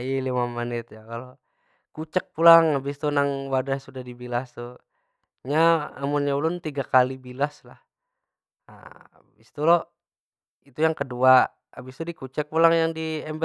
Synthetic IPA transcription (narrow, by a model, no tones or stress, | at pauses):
ilimamanɪt̪jakalo | kut͡ʃək̚pulaŋabist̪unaŋwadasudahdibilast̪u | ɲaamunɲaulʊnt̪iɡakalibilaslah | a̰ | bist̪ulɔ | it̪ujaŋkədua | abist̪udikut͡ʃək̚pulaŋjaŋdiɛmbə